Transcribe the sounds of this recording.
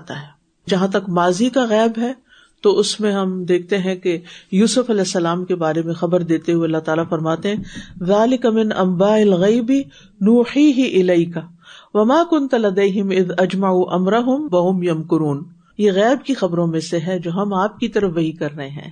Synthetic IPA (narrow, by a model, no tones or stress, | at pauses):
t̪aɦɛː | d͡ʒɐɦãt̪̬ɐkmaːzikaɣɛːbɦɛ | t̪oʔʊsmẽɦɐmd̪eːk̚ʰt̪eɦɛ̃kejuːsʊfɐlɛːsːɐlaːmkebaːɾemẽxɐbəɾd̪eːt̪eɦueɐlːaɦt̪aːlafɐɾmaːt̪eɦɛ̃ðaːlɪkamɪnʔɐ̰̃mbaːʔɪlɣɐɪbi | nuːħiːɦiʔɪlɐɪka | ʋɐmaːkʊnt̪lɐd̪eːɦɪmɪðɐd͡ʒmaʕuːʔɐmɾɐɦʊmʋɐɦʊmjɐmkʊɾuːn | jeɣɛːbkixɐbɾõmẽseɦɛd͡ʒoːɦɐmaːp̚kit̪ɐɾəfʋɐɦikɐɾːɐɦeɦɛ̰̃ː